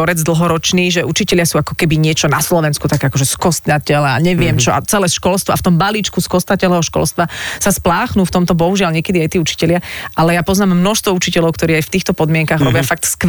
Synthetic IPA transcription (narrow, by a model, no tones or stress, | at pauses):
ɔɾɛd͡zd̪l̩ɦɔɾɔt͡ʃniːʒɛut͡ʃicɛʎɪasuːakɔ̥kɛbiɲɪɛt͡ʃɔnaslɔʋɛnskut̪akɛakɔʒɛskɔst̪nacɛlɛa̰ɲɛʋɪɛmt͡ʃɔʔa̰t͡sɛlɛsʃkɔlst̪ʋɔaft̪ɔmbaliːt͡ʃkuskɔst̪nacɛlɛɦɔʃkɔ̰lst̪ʋasasplaːxnuːft̪ɔmt̪ɔbɔɦuʒɪalɲɪɛkɛd̪iajt̪iːut͡ʃi̥cɛlɪaʔalɛjaːpɔznaːmːnɔʃst̪ʋɔut͡ʃicɛlɔʊkt̪ɔɾiːajft̪iːxt̪ɔpɔd̪mɪɛŋkaːɣɾɔbɪjafak̚t̪sk